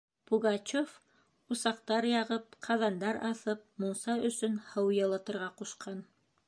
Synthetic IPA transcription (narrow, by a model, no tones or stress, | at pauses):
puɡɑt͡ɕof | usɑqt̪ɑɾjɑʁɤp̚qʰɑðɑnd̪ɑɾɑθɤp̚moɴsɑɵ̆sɵnhɤwjɑ̆lˠɤ̆t̪ɤ̆ɾʁɑquʃqʰɑn